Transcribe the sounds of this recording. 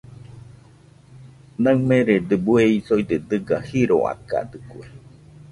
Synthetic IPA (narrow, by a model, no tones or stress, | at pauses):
naŋmeɾed̪ebueisojd̪ed̪ɨɡahiɾo̰a̰ka̰d̪ɨkue